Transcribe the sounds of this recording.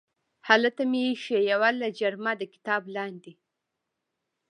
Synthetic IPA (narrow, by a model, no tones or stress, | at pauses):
halat̪amiʃejawalːad͡ʒaɾmad̪əkɪ̥t̪ɑblɑnd̪i